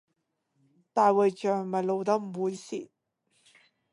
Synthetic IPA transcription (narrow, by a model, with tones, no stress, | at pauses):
t̪aː˨jwɐ˨˩jt͡ʃœː˨˩ŋmɐ˨˩jlo˨˧wt̪ɐ˥m̩ː˨˩uː˨˥jsiː˨˩